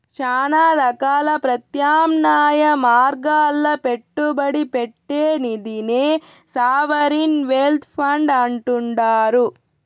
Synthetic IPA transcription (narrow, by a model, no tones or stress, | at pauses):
t͡ʃaːnaːɾɐkaːlɐpɾɐt̪jaːmnaːjɐmaːɾɡaːlːɐpe̞ʈːubɐɽipeʈːeːnid̪ineː | saːʋɐɾinʋeːlt̪ʰpʰɐɳɖɐɳʈuɳɖaːɾu